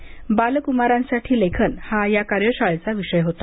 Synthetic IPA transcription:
balkumaɾãnsaʈʰiːlekʰənhajakaɾjəɕaɭt͡saʋiɕəjɦot̪a

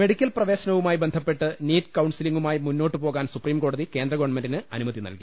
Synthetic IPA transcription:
me̞ɽikʲːɐlprɐʋe̞ːɕɐnɐʋumaːjibend̪ʱɐpːe̞ʈːɨniːtkɐwɳsiliŋɡumaːjimunːo̞ːʈːɨpoːɣaːnsupriːmko̞ːɽɐðike̞ːnd̪rɐɡoːɳmenɖinɨɐnumɐðinɐ̰lki

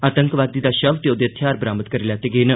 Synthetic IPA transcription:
aːt̪əŋkʋaːd̪iːd̪aːʃəʋt̪eoːd̪eət̪ʰjaːɾbɾaːmət̪̚kəɾiljaːt̪eɡeːnə

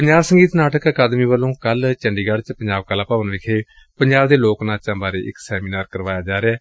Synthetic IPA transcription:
pəɲd͡ʒaːbsəŋɡiːt̪naːʈəkəkaːd̪miːʋəlːõːkəlt͡ʃəɳɖiːɡəɽt͡ʃpəɲd͡ʒaːbkəlaːpaːʋənʋɪkʰeː | pəɲd͡ʒaːbd̪eːloːknãːt͡ʃãːbaːɾeːʔɪksɛːmiːnaːɾkəɾʋaːjaːd͡ʒaːɾeaː

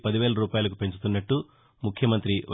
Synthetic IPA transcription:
pɐd̪iʋɛːɭɐɾuːpaːjɐlɐkupe̞ɲt͡ʃut̪unːɐʈːu | mukʰjɐmɐnt̪ɾiʋ

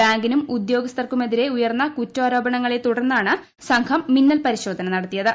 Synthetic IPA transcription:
aːŋɡinumud̪jo̞ːɡɐst̪ɐrkume̞ðiɾe̞ujɐrnːɐkutːaːɾo̞ːbɐɳɐŋːɐɭet̪uɽɐrnːaːɳɨ | sɐŋkʰɐmːinːɐlpɐɾiɕo̞ːd̪ʱɐnɐnɐɽɐt̪ːijɐðɨ

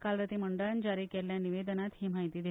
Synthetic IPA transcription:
kalɾət̪iməɳɖəɭand͡ʑaɾiːkeljaniʋed̪ənat̪ɦiːmaɦit̪iːd̪i

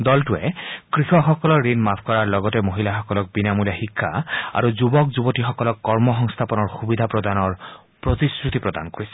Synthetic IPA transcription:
dɔltʊɛkɹixɔxɔkɔlɔɹːinmapʰkɔɹaɹlɔɡɔtɛmoɦilaxɔkɔlɔk̚binamulaxikʰːa̰a̰ɹuzubɔkzubɔtixɔkɔlɔkːɔɹmɔxɔŋst̪ʰapɔnɔɹxubid̪ʱapɹɔdanɔɹ | pɹot̪iskɹut̪ipɹɔda̰nkoɹisɛ

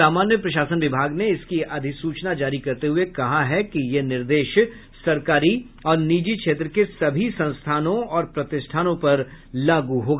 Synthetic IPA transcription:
aːmaːnjəpɾɐʃ̬aːsənʋɪbʱaːɡneɪskiɐd̪ʱɪksuːt͡ʃnad͡ʒaːɾikɐɾt̪eɦʊekɐɦaɦɛkijenɪɾd̪eːʃ | sɐɾkaːɾi | ɔːɾniːd͡ʒikʃʰeːt̪ɾəkesɐbʱisɐ̃nst̪ʰaːnõɔːɾpɾɐt̪ɪsʈʰaːnõpɐɾ | laːɡuɦoːɡa

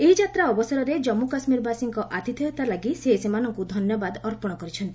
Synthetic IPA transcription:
eɦid͡ʒat̪ɾaɔbɔsɔɾɔɾed͡ʒɔmːukasmiɾbʱasiŋkɔʔat̪it̪ʰijt̪alaɡiseɦisemanɔŋkud̪ʱɔnjɔbad̪ɔɾpɔɽ̃ɔkɔɾit͡ʃʰɔnt̪ii

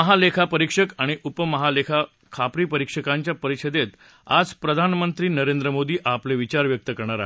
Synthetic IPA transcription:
əɦalekʰapəɾikʂəkaɽ̃iʔupəməɦalekʰa | kʰapɾiːpəɾikʂəkaɲt͡ɕjapəɾiɕʰəd̪et̪ | a̰d͡zpɾəd̪ʱanmənt̪ɾiːnəɾẽnd̪ɾəmod̪iːʔapleʋit͡ɕaɾʋjək̚t̪əkəɾɳ̃aɾa̰

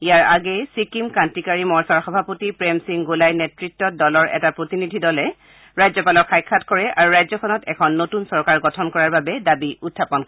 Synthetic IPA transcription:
ijaɹaɡɛsikimkantikaɹimɔɹsaɹxɔbʱapotipɹɛmsiŋɡolajnɛtɹitːɔdɔlɔɹʔɛ̰tapɹotinidʱidɔlɛ | ɹajzɔpalɔkʰːajkʰːatkɔɹɛʔaɹuɹajzɔkʰɔnɔtɛ̰kʰɔnːotunsɔɹkaɹɡɔtʰɔnkɔɹaɹbabɛdabiʔutʰːapɔn

